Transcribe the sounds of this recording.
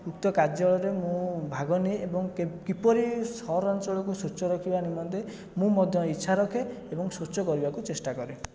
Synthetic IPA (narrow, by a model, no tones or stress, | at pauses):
ukt̪ɔkad͡ʒɔɭɔɾemũbʱaɡɔneebɔŋkkipɔɾisɔɾɔnt͡ʃɔɭɔkusut͡ʃɔɾɔkʰibanimɔnt̪e | mũmɔd̪ʱjɔitːʃʰaɾɔkʰeebɔŋsot͡ʃɔkɔɾibakut͡ʃesʈakɔɾe